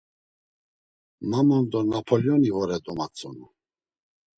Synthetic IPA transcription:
mamɔnd̪ɔnapʰɔljɔnivɔɾɛd̪ɔmat͡sʼɔnu

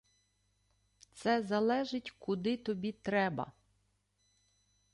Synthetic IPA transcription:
t̪sɛzɐlˠɛʒɪtʲkʊd̪ɪt̪ɔbʲit̪ɾɛbɐ̰

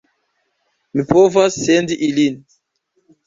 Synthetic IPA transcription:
mipovasːendiʔilin

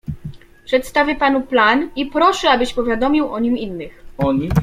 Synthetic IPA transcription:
pʂɛt̪st̪avʲjɛpanuplanipɾɔʂɛabɘɕpɔvʲjad̪ɔmʲiwʔɔɲiminːɘxɔ

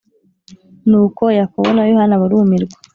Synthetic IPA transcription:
nuːkojakoonajohanaβaɾumiɾɡwḁ

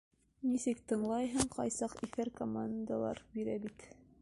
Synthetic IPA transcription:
nisɘkt̪ɤ̆ɴlˠɑjɦɤɴqɑjsɑqifæɾkomand̪alˠɑ̰ɾbiɾæbit̪

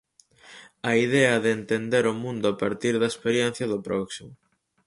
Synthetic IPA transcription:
ɐiðɛɐðeːnt̪end̪eɾʊmũnd̪ʊapaɾt̪iɾðɐespeɾjen̟θjɐðʊpɾʔɔksimʊ

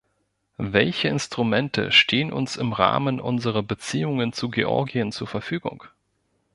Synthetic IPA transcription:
vɛlçəɪnstʁ̥umɛntʰə̰ʃtʰeːənʔʊ̰nsɪmʁa̰ːmənʔʊ̰nzəʁ̞ɐbət͡siːʊŋənt͡suɡeʔɔ̰ɐɡiənt͡suːɐfɛɐfyːɡʊ̰ŋ

